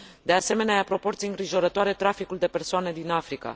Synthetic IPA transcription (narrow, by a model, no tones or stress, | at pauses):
d̪e̞ase̞me̞neajapɾo̞po̞rt̪sijeɨŋɡɾiʒo̞ɾət̪oaɾe̞t̪ɾafikuld̪e̞pe̞rsoaned̪inafɾika̰